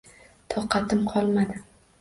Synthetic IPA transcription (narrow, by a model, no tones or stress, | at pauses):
t̪ʰɒqːɑt̪ʰɪmqʰɒlˠmad̪ɪ